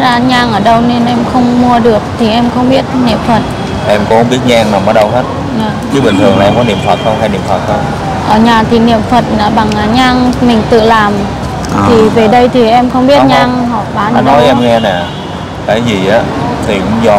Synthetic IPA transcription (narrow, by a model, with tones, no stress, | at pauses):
zaː˧ɲaː˧ŋʔəː˧˩ɗə˧wne˧nʔɛ˧mxə˧wŋ͡mmu˧əɗɨ˨˩ək̚t̪ʰi˨˩ʔɛ˧mxə˧wŋ͡mɓi˦˥ət̚nḭ˧˨əmfə˨˩t̚ | ʔɛ˧mkʊ̰˨˦ŋ͡mxə˧wŋ͡mɓi˦˥ət̚ɲaː˧ŋna˨˩mːʔɔː˨˦ɗə˧wh̪ʰə˦˥t̚ | naː˨˩t͡ɕɨ˨˦ɓï˨˩ŋ̟t̪ʰəŋlaː˨˩ʔɛ˧mkɔ˨˦nḭ˧˨əmfə˨˩t̚t̪ə˧wɦa˧jnḭ˧˨əmfə˨˩t̚t̪ʰə˧w | ʔəː˨˩ɲaː˨˩t̪ʰi˨˩nḭ˧˨əmfə˨˩t̚naː˨˩ɓa˨˩ŋaː˨˩ɲaː˧ŋmï˨˩ŋ̟t̪ɨ̰˧˨laː˨˩m | t̪ʰi˨˩ve˨˩ɗə˧jt̪ʰi˨˩ʔɛ˧mxə˧wŋ͡mɓi˦˥ət̚ɲaː˧ŋhɔ˧˨˩ɓaː˨˦na˨˦nɔ˨˦jɛ˧mŋɛ˧nɛ˨˩ | kaː˨˦jzi˨˩ʔaː˨˦t̪ʰi˨˩kʊ̰˧˥ŋ͡mzɔ˧˩